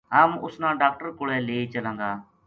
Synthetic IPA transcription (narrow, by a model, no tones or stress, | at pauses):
ɦəːmʊsnãːɖaːk̚ʈəɾkʊɽɛːleːiːt͡ʃəlãːɡ̪aː